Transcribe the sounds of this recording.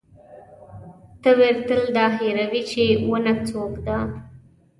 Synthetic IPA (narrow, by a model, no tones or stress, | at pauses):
t̪əweɾt̪əld̪ɑheɾawit͡ʃewənat͡sokd̪a